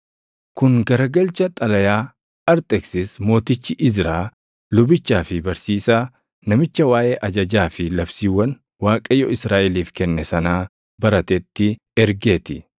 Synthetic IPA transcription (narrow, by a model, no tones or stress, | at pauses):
kʊŋɡɐɾɐɡɐlt͡ʃɐt̪ʼɐlɐjaː | ɐɾt̪ʼɛksɪsmo̞ːt̪ɪt͡ʃːɪʔɪzɾaː | lʊbɪt͡ʃːaːfɪbɐɾsiːsaː | nɐmɪt͡ʃːɐwaːʔeːʔɐd͡ʒɐd͡ʒaːfɪlɐbsiːwːɐn | waːkʼɐjɔɪsɾaːʔɛliːfkɛnːɛsɐnaː | bɐɾɐt̪ɛt̪ːɪ | ɛɾɡeːt̪ɪ